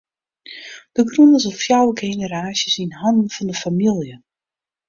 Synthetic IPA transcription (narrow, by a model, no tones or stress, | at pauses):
d̥əɡrunəsɔfjawəɡejnəɾaːsjəsinhɔndən̩fɔndəfamilˠjə